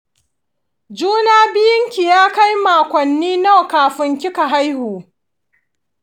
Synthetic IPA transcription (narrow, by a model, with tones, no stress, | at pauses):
d͡ʒuː˦naː˦bɪ˦jɪ˦ŋkʲi˨jaː˦ka˦jmaː˨kʷɔ˨nːiː˦na˦˨wkaː˨ɸɪ˦ŋkʲɪ˦ka˨ɦa˦jhuː˨